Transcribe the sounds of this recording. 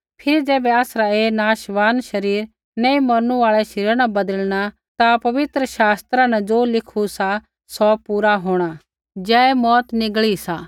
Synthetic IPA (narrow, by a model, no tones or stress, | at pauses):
pʰɪɾd͡ʒɛːbɛaːsɾaeːnaːʃʋaːnʃɐɾiːɾ | nɛĩmɐɾnũaːɭɛʃɪɾñabɐd̪əlña | t̪apɐʋɪt̪ɾəʃaːst̪ɾãnɛd͡ʒoːlɪkʰusa | sɔpuːɾaɦoːɽ̃a | d͡ʒɛːɛmɔːt̪nɪɡɭisaː